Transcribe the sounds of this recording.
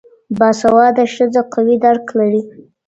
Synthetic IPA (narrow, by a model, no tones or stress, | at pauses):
bɑsawɑd̪aʃəzaqawid̪aɽklaɽi